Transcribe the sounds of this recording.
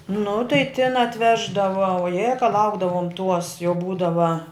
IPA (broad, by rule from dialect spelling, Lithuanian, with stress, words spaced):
nʊ tɐɪ tʲɪn ɐtʲˈʋʲæːʒdɐʋɐ oːˈjeː kɐ ˈlˠɐʊɡdɐʋoːm tuɔs jɛʊ ˈbuːdɐʋɐ